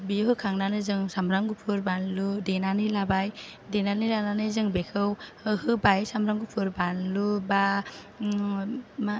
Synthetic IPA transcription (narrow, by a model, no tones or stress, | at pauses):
biɦɯkʰaŋnanɯzɯŋsamɾaŋɡupʰɯɾbanludenanilabaj | denanilananɯzɯŋbekʰɯwɯhɯbajsamɾaŋɡupʰɯɾbanluba | ma